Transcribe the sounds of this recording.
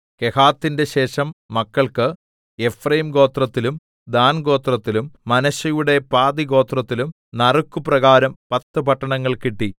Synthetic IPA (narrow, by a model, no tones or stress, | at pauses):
ke̞haːt̪ːinde̞ɕe̞ːʂɐmːɐkːɐɭkɨ | e̞frɐjimɡo̞ːt̪rɐt̪ːilum | d̪aːnɡo̞ːt̪rɐt̪ːilumːɐnɐɕɐjuɽe̞paːd̪iɡo̞ːt̪rɐt̪ːilum | nɐrukːuprɐɣaːɾɐmpɐt̪ːɨpɐʈːɐɳɐŋːɐɭkiʈːi